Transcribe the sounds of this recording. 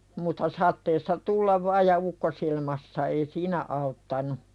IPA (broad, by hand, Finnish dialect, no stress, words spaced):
mutːɑ sɑtˑeːsːɑ tulːɑʋ ʋɑːj jɑ ukːosilmɑsːɑ ei siːnæ ɑutːɑnu